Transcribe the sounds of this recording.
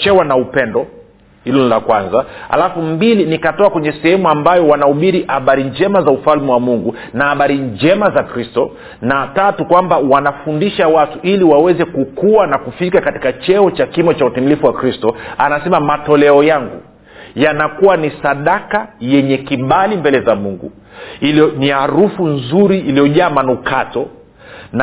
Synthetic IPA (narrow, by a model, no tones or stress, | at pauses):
t͡ʃɛwanaupɛndɔ | hilɔnilakwanzaha̰lafumbilinikatɔakwɛɲɛsɛhɛmuambajɔwanauɓiɾiʔhaɓaɾiɲd͡ʒɛmazaufalmiwamuŋɡu | nahaɓaɾiɲd͡ʒɛmazakɾistɔ | natatukwambawanafundiʃawatuʔiliwawɛzɛkukuwanakufikakati̥kat͡ʃɛɔt͡ʃakimɔt͡ʃautimilifuwakɾistɔanasɛmamatɔlɛɔjaŋɡṵ | janakuwanisaɗakajɛɲɛkiɓalimbɛlɛzamuŋɡṵ | iliɔniaɾufunzuɾiːlijɔʄaːmanukatɔ | n